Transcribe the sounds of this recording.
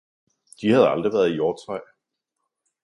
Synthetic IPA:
d̥ihæð̞ˠɑ̈ld̥ʁiʋæːɐð̩ˠijoːt͡sʰʁɑɪ̰

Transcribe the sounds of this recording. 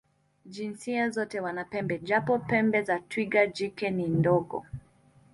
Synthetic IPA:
d͡ʒinsiazɔtɛwanapɛmbɛd͡ʒapɔpɛmbɛzatwiɡad͡ʒikɛnindɔɡɔ̰

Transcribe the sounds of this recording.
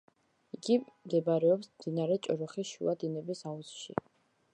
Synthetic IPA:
iɡimd̪ɛbɾɛɔpsmd̪̥inaɾɛt͡ʃʼɔɾɔχiʃṵad̪inɛbisausʃḭ

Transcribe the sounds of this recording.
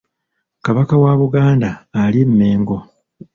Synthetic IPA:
kaβakawaβuɡaːndaːlimːeːŋɡo̞

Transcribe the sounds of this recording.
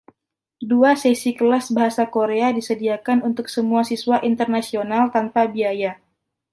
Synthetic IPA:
duasesikəlasbaɦasakoɾeadisədiakanunt̪ʊksəmuasiswaʔint̪ərnasionalt̪anpabiaja

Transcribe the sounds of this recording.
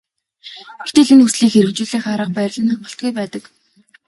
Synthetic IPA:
ɡexʰt̪eːɮĕnxusɮiːkxeɾɘ̆kt͡ɕuːɮiːχaɾə̆q̚pæːɾ̆ʲɮə̆naɴɢə̆ɬt̪̚ɡujpæːt̪ə̆k

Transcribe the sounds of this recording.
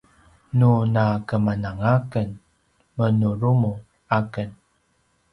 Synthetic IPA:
nunakəmanaŋakən | mənuɾumu | akən

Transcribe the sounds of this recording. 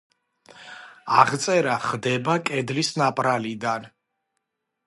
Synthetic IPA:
aʁt̪sʼɛɾaχd̪ɛbakʼɛd̪lisnapʼɾalid̪an

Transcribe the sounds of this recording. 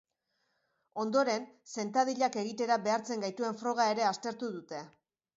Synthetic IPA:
o̞nd̪o̞ɾe̞nse̞nt̪að̞iʎake̞ɣ̞it̪e̞ɾaβe̞aɾt͡se̞ŋɡajt̪ue̞ɱfɾo̞ɣ̞ae̞ɾe̞ast̪e̞ɾt̪uðut̪e̞

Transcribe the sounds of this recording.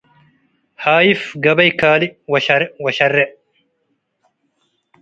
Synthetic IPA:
haːjɪfɡɐbɐjkaːlɪwɐɐwɐʃɐrːɛ

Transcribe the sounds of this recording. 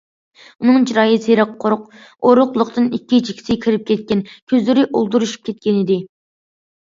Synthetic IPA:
unɨŋt͡ʃiɾɑːjisɨɾɑqʰːoɾʊq | oɾʊqlˠʊqt̪ɨnikʲːit͡ʃʰi̥kʲʰi̥sɪkʲʰiɾɪp̚kʲɛt̪̚kʲɛnkʲʰøzlɪɾɪʔolˠd̪uɾuʃu̥p̚kʲʰɛt̪̚kʲɛnɪd̪ɪ

